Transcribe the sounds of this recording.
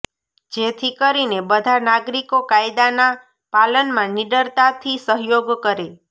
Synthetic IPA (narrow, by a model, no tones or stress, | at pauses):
d͡ʒet̪ʰikəɾinebəd̪ʱanaɡɾikokajd̪ana | palənmãniɖəɾt̪at̪ʰisəɦjoɡkəɾe